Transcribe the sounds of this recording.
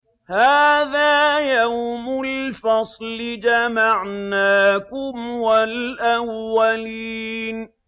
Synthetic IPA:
haːðaːjawmʊlfɑsˤlɪd͡ʒamaʕnaːkʊmwalʔawːaliːn

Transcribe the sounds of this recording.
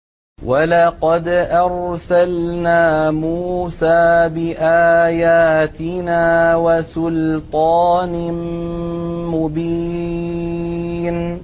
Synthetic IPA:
walɑqɑd̪ʔɑɾsalnaːmuːsaːbɪʔaːjaːt̪ɪnaːwasʊlt̪ˤɑːn | mʊbiː | n

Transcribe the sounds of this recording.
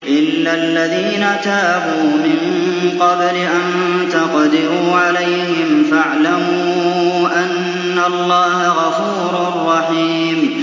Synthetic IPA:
ʔɪlːalːaðiːnat̪aːbuːmɪŋ | qɑbɾɪʔan | t̪ɑqd̪ɪɾuːʕalajhɪmfaʕlamuːʔanː | alˤːɑːhaɣɑfuːɾʊrˤːɑħiː | m

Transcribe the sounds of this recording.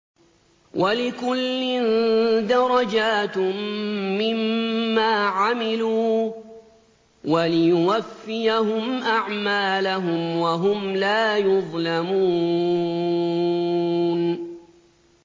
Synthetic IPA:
wʔalɪkʊlːɪnd̪ɑɾˤɑd͡ʒaːt̪ː | ɪmːaːʕamɪluː | walɪjʊwafːɪjaɦʊmʔaʕmaːlaɦʊmwaɦʊmlaːjʊðˤlamuː | n

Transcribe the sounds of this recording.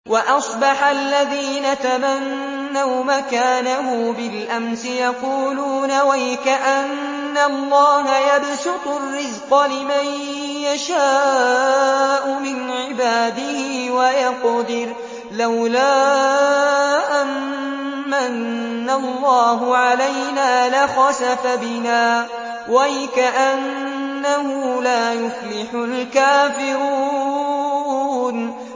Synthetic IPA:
wɑʔɑsˤbɑħalːaðiːnat̪amanː | awmakaːnaɦʊmbɪlʔamsɪjɑquːluːnawajɪkaʔanː | alːɑːɦajabsʊt̪ˤʊrːɪzqɑlɪmaj | jaʃaː | ʔʊmɪnʕɪbaːd̪ɪhɪːwajɑqd̪ɪɾ | lawlaː | ʔamː | anːalˤːɑːɦʊʕalajnaːlaxɑsafabɪnaː | wajɪkaʔanː | ahʊːlaːjʊflɪħʊlkaːfɪɾuː | n

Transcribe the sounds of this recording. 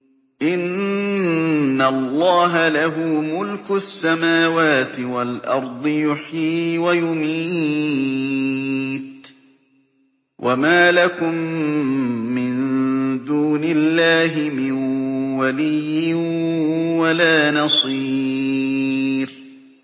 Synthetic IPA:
ʔɪn | alˤːɑːɦalaɦʊːmʊlkʊsːamaːwaːt̪ɪwalʔɑɾˤd̪ˤɨjʊħiːwajʊmi | t̪ | wʔamaːlakʊmː | ɪnd̪uːnɪlːaːɦɪmɪnwalɪjːɪ | walaːnɑsˤi | ɾ

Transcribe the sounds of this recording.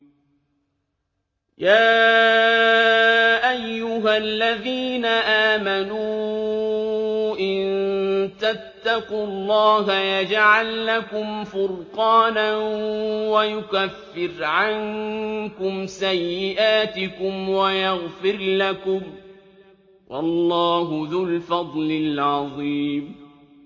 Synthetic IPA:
jaː | ʔajːʊɦalːaðiːnaʔaːmanuː | ʔɪnt̪at̪ːɑqʊlˤːɑːɦajad͡ʒʕalːakʊmfʊlqɑːnanwajʊkafːɪɾʕaŋkʊmsajːɪʔaːt̪ɪkʊmwajaɣfɪɾlakʊm | wʔɑ̰lːɑːɦʊðʊlfɑd̪ˤlɪlʕɑðˤiːm

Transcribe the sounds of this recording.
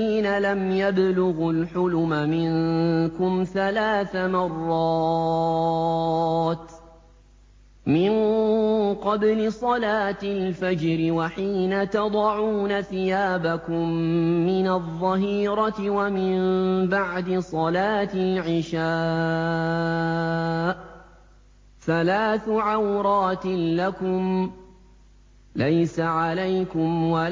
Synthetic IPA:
iːnalamjablʊɣʊlħʊlʊmamɪnkʊmθalaːθamɑrˤːɑ | t̪ | mɪn | qɑblɪsˤɑlaːt̪ɪlfad͡ʒɾɪwaħiːnat̪ɑd̪ˤɑʕuːnaθɪjaːbakʊmːɪnaðˤːɑɦiːɾɑt̪ɪwamɪmbaʕd̪ɪsˤɑlaːt̪ɪlʕɪʃaː | θalaːθʕawɾˤɑːt̪lakʊm | lajsaʕalajkʊmwa

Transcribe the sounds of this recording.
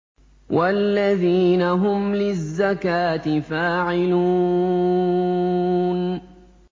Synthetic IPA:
wʔalːaðiːnaɦʊmlɪzːakaːt̪ɪfaːʕɪluː | n

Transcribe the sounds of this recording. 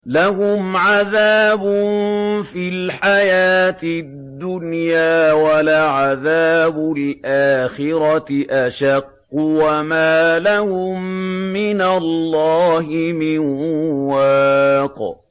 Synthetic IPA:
lahʊmʕaðaːbʊnfilħajaːt̪ɪddd̪ːʊnjaːwalaʕaðaːbʊlʔaːxɪɾɑʔaʃɑqːʊwamaːlahʊmːɪnalːɑːɦɪmɪnwaːq

